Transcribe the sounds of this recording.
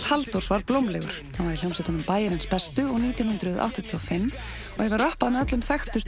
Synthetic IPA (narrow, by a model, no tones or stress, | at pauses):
halt̪uɾ̥svaɾplowmlɛɣʏ̰ɾ̥θanvaɾil̥awmsɪt̪ɔnʏmpaːjɪɾɪnspɛst̪ʏɔɣniːt̪jɔnhʏnt̪ɾʏðʔa̰wht̪ɔt̪ʰiɔfɪmː | ɔhɛvɪɾrahpaðmɛðœt̪lʏmθɛxt̪ʏs